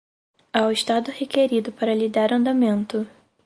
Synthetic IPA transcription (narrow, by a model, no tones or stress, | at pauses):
awɪʃt̪ad̪ʊhekeɾid̪ʊpaɾɐlid̪aɾɐ̃nd̪amẽnt̪ʊ